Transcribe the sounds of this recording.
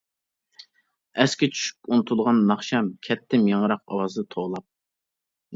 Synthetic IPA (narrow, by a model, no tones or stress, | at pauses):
ɛskʲɛt͡ʃʰy̥ʃy̥punɨt̪ʰulˠʁɑnːɑχʃɑmkʲʰɛt̪ʰːɪmjɑŋəɾɑq̚ɑ̰wɑzɨd̪ɑt̪ʰoʁlˠɑp̚